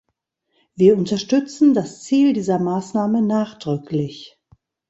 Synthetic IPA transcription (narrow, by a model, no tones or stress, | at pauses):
v̥iːɐʊntɐʃtʏt͡sn̩dast͡siːldiːzɐmaːsnaːmənaːχd̥ʁʏklɪç